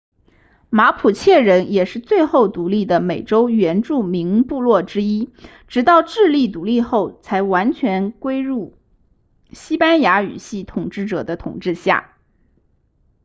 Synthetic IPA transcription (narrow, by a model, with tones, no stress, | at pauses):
ma˧˥pʰu˨˩t͡ɕʰjɛ˥˩ɻə˧˥njɛ˨˩ʂɻ̩˥˧t͡swe˥˧ɪxo˥˩ʊt̪u˧˥li˥˩d̪ə˩me˨˩ɪʈ͡ʂo˥ʊɥɛ˧˥nʈ͡ʂu˥˩mi˧˥ŋpu˥˧lwɔ˥˩ʈ͡ʂɻ̩˥i˥ | ʈ͡ʂɻ̩˧˥t̪ɑ˥˧ʊʈ͡ʂɻ̩˥˧li˥˩t̪u˧˥li˥˧xo˥˩ʊt͡sʰa˧˥ɪwa˧˥nt͡ɕʰɥɛ˧˥nkwe˥ɪɻu˥˩ | ɕi˥pa˥nja˧˥y̰˨˩ɕi˥˩t̪ʰʊ˨˩ŋʈ͡ʂɻ̩˥˩ʈ͡ʂɤ̰˨˩d̪ə˦t̪ʰʊ̰˨˩ŋʈ͡ʂɻ̩˥˧ɕja̰˥˩